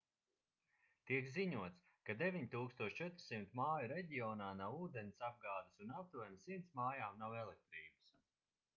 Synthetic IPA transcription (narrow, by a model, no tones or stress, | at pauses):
t̪iɛkziɲuɔt̪s | kad̪evʲiɲt̪uːkst̪uɔʃt͡ʃɛt̪ɾsimt̪maːjuɾeɟiɔːnaːnawuːd̪enʲisab̚ɡaːd̪ɨsunap̚t̪uɔnisimnt̪smaːjaːmnawɛlˠek̚t̪ɾiːbɨs